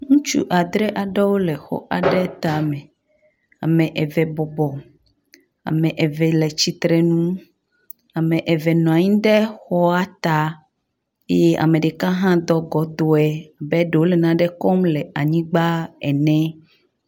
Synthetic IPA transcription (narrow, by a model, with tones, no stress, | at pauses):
ŋũ˦t͡ʃṵ˦ʔa˨d̪ɾɛ˦ʔa˨ɖɛ˦wo˦lɛ˨xɔ̰˦ʔa˨ɖɛ˦t̪a˨mɛ̃˨ | a̰˨mɛ̃˨ʔɛ˨vɛ˨bɔ˨bɔ˨ | a̰˨mɛ̃˨ʔɛ˨vɛ˨lɛ˨t͡ɕi˦t̪ɾɛ˨nũ˦ | a˨mɛ̃˨ʔɛ˨vɛ˨nɔ̃˨a˨ɲĩ˦ɖɛ˦xɔ˦a˦t̪a˦ | e˦je˦ʔa̰˨mẽ˨ɖe˨kã˦ɦã˦d̪ɔ˦ɡɔ˨d̪o˦ɛ˦a˨bɛ˦ɖe˨wo˦lɛ˨nã˦ɖɛ˦kɔ˦mlɛ˨a˨ɲĩ˦ɡ͡ba˦ɛ̰˨nɛ̃˦